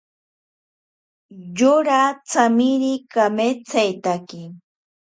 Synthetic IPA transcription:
joɾat͡samiɾikamet͡sajt̪akɪ

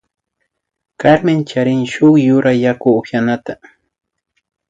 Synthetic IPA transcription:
kaɾmɪnt͡ʃaɾɪŋʃʊχjʊɾajakʊːpjanat̪a

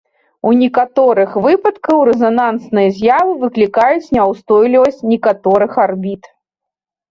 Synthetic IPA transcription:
unʲikat̪ɔɾɨxvɨpɐt̪kɐwɾɛzanansnɨjɐzʲjavɨvɨklʲikajut͡sʲnʲawst̪ɔjlʲivɐsʲt͡sʲnʲɛkat̪ɔɾɨxarbʲit̪

